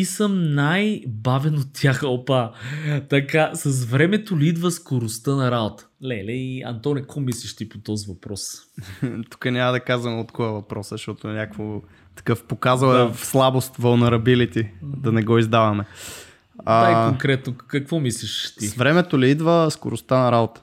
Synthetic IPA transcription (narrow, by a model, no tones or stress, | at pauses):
isəmnajbavɛnot̪ːjaxɐlpat̪ɐkasɐs̬vɾɛmɛt̪oliid̪vəskoɾʊst̪ɤnɐɾabot̪ə̥lɛlɛiɐ̰nt̪ɔnʲikkomisliʃt̪ipot̪ɔzivɐpɾɔs | t̪u̥kənʲamɐd̪ɐkazvɐmot̪kovəvɐpɾɔsəʃt̪ɔt̪onʲakvo | t̪ɐ̥kɤfpokazəlɛfslˠabost̪vɐlˠnɛɾɐbilit̪id̪ɐnɛɡɔizd̪avɐmɛ | aaikooŋkɾɛt̪nokɐkvɔmisliʃt̪ivɾɛmɛt̪oliid̪vəsko̰ɾʊst̪anɐɾabot̪ə̥